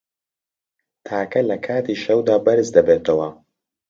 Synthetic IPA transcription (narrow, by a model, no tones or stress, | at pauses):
t̪ʰaːkɐlɐkʰaːt̪iːʃɐwd̪aːbɐɾɨzd̪ɐbeːt̪ʰɐwɐ